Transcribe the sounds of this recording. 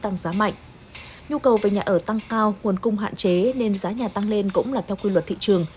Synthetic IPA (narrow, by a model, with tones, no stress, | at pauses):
t̪a˧˩ŋzaː˨˦ma̰˧˨jŋ̟ | ɲu˧kə˨˩wve˨˩ɲaː˨˩ʔəː˧˩t̪a˧ŋkaː˧wŋu˨˩ənkʊ˧ŋ͡mɦa̰ː˧˨nt͡ɕe˨˦ne˧nzaː˨˦ɲaː˨˩t̪a˧ŋle˧nkʊ̰˧˥ŋ͡mlaː˨˩t̪ʰɛ˧wkwi˧lwə˨˩t̚t̪ʰḭ˧˨t͡ɕɨ˨˩əŋ